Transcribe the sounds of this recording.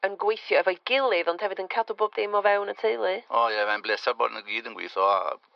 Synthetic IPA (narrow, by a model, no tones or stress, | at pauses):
ənɡwejθjɔɛvajɡ̥ɪlˠɪðɔnd̥hɛvɪdənkʰadɔbɔb̚dɪmɔvɛwnətʰejlˠɨɔjɛmɛnbleːsabɔ̰dnəɡiːdənɡwḭːθɔ̰